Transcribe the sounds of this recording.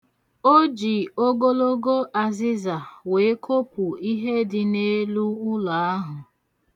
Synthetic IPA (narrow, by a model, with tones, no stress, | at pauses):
o˦d͡ʒi˨o˦ɡo˦lo˦ɡo˦ʔa˨zɪ˦za˨we˨˦e˦kʰo˦pʊ˨i˦ɦe˦dɪ˨ne˦lu˦ʊ˦la˨a˦ɦʊ˨